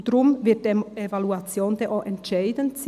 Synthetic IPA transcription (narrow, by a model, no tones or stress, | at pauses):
dɾʊmvɪɐt̚d̥evaluat͡sjoːnd̥ɛʔoʔɛntʃaɪdənt͡s